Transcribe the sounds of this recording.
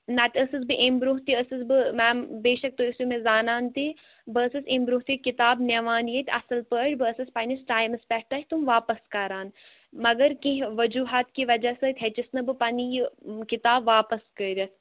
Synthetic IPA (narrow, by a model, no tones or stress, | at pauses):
naːt̪ʲəsɨsbɨʔembɾuːɦt̪iəsɨsbɨmɛːbeːʃɐk̚t̪oisimẽzaːnaːnt̪i | bəːsɨsembɾuːɦt̪ikɪt̪aːbnʲeʋaːnjet̪ʲɐ̰sɐlpəʈʲbəːsɨspɐnisʈaːjmɨspʲɛʈɐɦʲt̪umʋaːpɐskɐɾaːn | mɐɡɐɾkĩɦʋɐd͡ʒuːɦaːt̪kiːʋɐd͡ʒasɨt̪ʰʲet͡ʃisnɐbɨpɐnijkɪt̪aːbʋaːpɐskəɾʲ